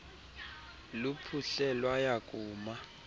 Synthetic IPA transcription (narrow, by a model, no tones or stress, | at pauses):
lupʰuɬɛlwajakʼuːma